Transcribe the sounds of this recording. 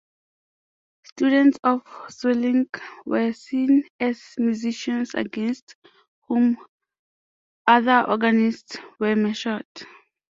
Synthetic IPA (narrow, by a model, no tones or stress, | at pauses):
stjudɛ̃ntsɔfsɛlĩŋkwɛsĩnɛzmjuziʃɔ̃nsa̰ɡɛ̃nst | hũm | aðəʔɔ̰ɡanistswɛmɛʃəd